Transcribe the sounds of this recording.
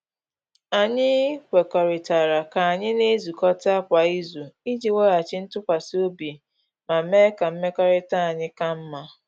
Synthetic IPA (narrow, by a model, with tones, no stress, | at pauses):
a˨ɲɪ˦kʷe˨kɔ˨ɾɪ˨ta˨ɾa˨ka˨a˨ɲɪ˦ne˦zu˨kɔ˦ta˦kʷa˨i˦zu˨i˦d͡ʒi˨we˦a˨t͡ʃɪ˦n̩˦tʊ˦kʷa˨si˦o˦bi˨ | ma˨˦me˦ka˨m̩˦me˦kɔ˦ɾɪ˦ta˦a˨ɲɪ˦ka˦m̩˦ma˦